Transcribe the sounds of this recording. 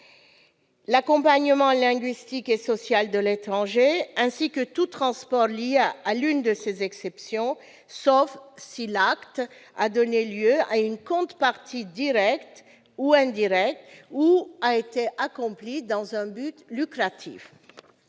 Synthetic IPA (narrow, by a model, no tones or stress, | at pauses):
lakɔ̃paɲəmɑ̃lɛ̃ɡɥist̪ikesɔsjald̪əlet̪χɑ̃ʒeɛ̃sikət̪ut̪χɑ̃spɔʁljealynd̪əsezɛksɛpsjɔ̃ | sɔfsilakt̪ad̪ɔneljøaynkɔ̃t̪paʁt̪ʰid̪iʁɛkt̪ | uɛ̃d̪iʁɛk̚t̪uaet̪eʔakɔ̃plid̪ɑ̃zɛ̃byt̪lykχat̪ʰḭf